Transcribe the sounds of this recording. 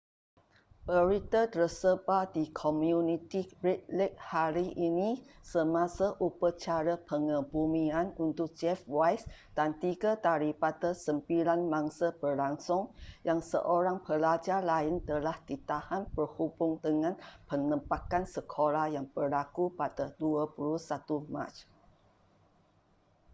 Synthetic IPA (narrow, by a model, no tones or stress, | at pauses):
bəɾit̪ətrəsəbadikʰomjunit̪iɾit̪̚lɛt̚haɾiʔinisəmãsaʔupat͡ʃaɾapəŋəbumianunt̪ʊk̚d͡ʒɛfwajsd̥ant̪iɡat̪aɾipat̪əsəmpilanmãŋsabərlaŋsʊŋjaŋsə̰ʔoɾaŋpəlad͡ʒarlaɪnt̪əlahdit̪ahanpərhubʊŋdəŋãnpənəmpakansəkʰolahjaŋb̥ərlakupadaduapulusat̪umã̰t͡ʃ